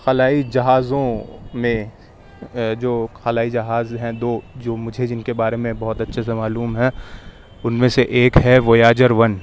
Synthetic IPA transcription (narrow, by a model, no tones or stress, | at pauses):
xɐlaːid͡ʒɐɦaːzõmẽ | d͡ʒoːxɐlaːid͡ʒɐɦaːzɦɛ̃d̪oːd͡ʒoːmʊd͡ʒʱed͡ʒɪnkebaːɾemẽbɔɦʊt̪ɐtːʃʰesemaːluːmɦɛ̃ | ʊnmẽseʔeːkɦɛʋojaːd͡ʒəɾʋɐn